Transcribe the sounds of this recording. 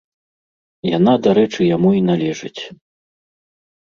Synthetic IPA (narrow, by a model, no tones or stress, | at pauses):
ja̰n̪ad̪aɾɛt͡ʂɨjamuinalʲɛʐɨt͡sʲ